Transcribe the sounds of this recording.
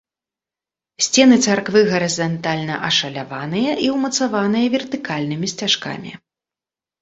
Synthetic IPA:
sʲt͡sʲɛnɨt̪sarkvɨɣɐɾɨzant̪alʲnɐʔɐʂɐlʲavanɨjɐʔiwmɐt̪savanɨjɐvʲɛrt̪ɨkalʲnɨmʲisʲt͡sʲaʂka̰mʲḭ

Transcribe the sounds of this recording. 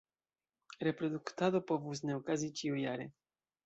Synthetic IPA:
ɾɛpɾod̪ukt̪ad̪opɔvusnɛokazit͡ʃiujaɾɛ

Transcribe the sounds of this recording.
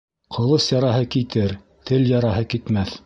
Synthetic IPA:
qʰŏlˠɤsjɑɾɑɦɤkit̪ɘɾ | t̪ʰɘljɑɾɑɦɤkit̪mæθ

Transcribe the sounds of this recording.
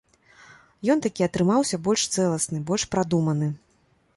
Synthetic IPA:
jɔnt̪akʲiɐt̪ɾɨmawsʲɐbɔlʲʂt̪sɛlˠɐsnɨbɔlʲʂpɾad̪umɐnɨ

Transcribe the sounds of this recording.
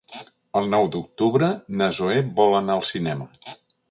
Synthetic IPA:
əlˠnɔwd̪uk̚t̪uβɾənəzoebɔlˠənaəlˠsinɛmə

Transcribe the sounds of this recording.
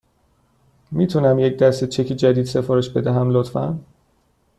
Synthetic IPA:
miːt̪ʰuːnæmjecd̪æst̪et͡ʃʰe̞cʰiːd͡ʒæd̪iːd̪se̞fɒːɾe̞ʃbed̪æɦæmlot̪fæ̰n

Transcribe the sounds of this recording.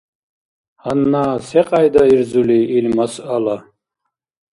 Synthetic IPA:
hanːaːsɛqʼajd̪aiɾd͡zuliːlmasala

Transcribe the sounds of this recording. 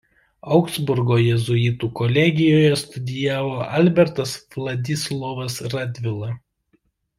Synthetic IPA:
ɐʊksbʊɾɡoːjɛzʊɪt̪uːkɔlʲɛɡʲɪjoːjɛst̪ʊd̪ʲɪjæːʋoːʔɐlʲbʲɛɾt̪ɐsʋlˠɐd̪ʲɪslˠɔʋɐsɾɑd̪ʲʋʲɪlˠɐ

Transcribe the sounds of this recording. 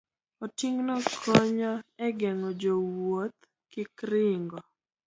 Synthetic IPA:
ɔtiŋnokʰoɲoɛɡɛŋɔd͡ʒowot̪ | kɪkɾɪŋɡɔ

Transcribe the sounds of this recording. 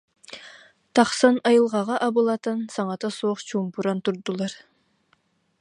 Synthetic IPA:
t̪ɑχsɑnɑjɯlˠʁɑʁɑʔɑbɯlˠɑt̪ɑnsɑɴɑt̪ɑsoːχt͡ɕumpuɾɑnt̪uɾd̪ulˠɑɾ

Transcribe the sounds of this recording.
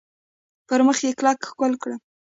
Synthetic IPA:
pəɾməxjeklɑkxkolkɽə

